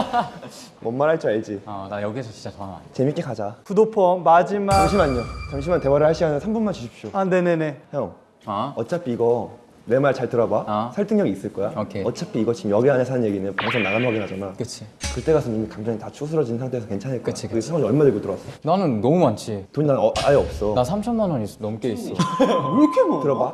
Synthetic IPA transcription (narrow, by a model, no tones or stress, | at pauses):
mʌnmaɾɦaɭt͡ɕ͈iaɭd͡ʑiajʌɡiesʰʌt͡ɕint͡ɕat͡ɕʌnama̰t͡ɕe̞mik͈e̞kad͡ʑakudopʰʌmad͡ʑimaaŋɕʰimaɲɲot͡ɕaŋɕʰimante̞waɾɯɭhaɭɕ͈iɡanɯnsʰambunmant͡ɕuɕʰipɕ͈oane̞ne̞ne̞ʌ | ʌt͡ɕ͈apʰiiɡʌ | ne̞maɾt͡ɕaɭtɯɾʌbasʰaɭt͈ʰɯŋɲjʌɡiːs͈ɯɭk͈ʌjaokʰeʌt̚t͡ɕ͈apʰiːɡʌt͡ɕimjʌɡeanesʰanɯnje̞ɡinɯnpaŋsʰʌŋnaɡanwaɡinɦad͡ʑanakɯt͡ɕʰi | kɯt͈e̞ɡasʰʌnimikaŋd͡ʑaŋitat͡ɕʰus̬ʰɯɾʌd͡ʑinɯnsʰaŋtʰesʰʌkent͡ɕʰanɦeɭk͈ʌɯiaŋɲiʌɭmadeɡotɯɾʌwas͈ʌnanɯnːʌmumant͡ɕʰitoɲinaaeʌp̚s͈ʌnasʰamt͡ɕʰʌmːanʌɲinʌmk͈eis͈ʌ | kʰetɯɾʌba